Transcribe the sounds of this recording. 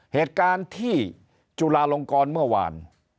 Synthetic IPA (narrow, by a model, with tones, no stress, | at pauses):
heː˨˩t̪̚kaː˧nt̪ʰiː˥˩ | t͡ɕu˧laː˧lo˧ŋkɔː˧nmɯ˥˩ɐwa̰ː˧n